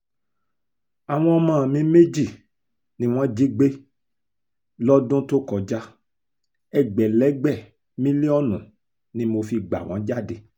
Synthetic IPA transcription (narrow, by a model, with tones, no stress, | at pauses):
a˨w̃ɔ̃˧ɔ˧mã˦˨mĩ˨˧˦me˦d͡ʒi˦˨ | nĩ˦w̃ɔ̃˦d͡ʒi˦ɡ͡be˦ | lɔ˦dũ˦to˦kɔ˨d͡ʒa˦ | ɛ˦˨ɡ͡bɛ˨lɛ˨˦ɡ͡bɛ˦˨ | mĩ˦li˦ɔ˦nũ˨ | nĩ˨˦mo˧fi˧ɡ͡ba̰˨w̃ɔ̰̃˨˦d͡ʒa˦˨de˧˦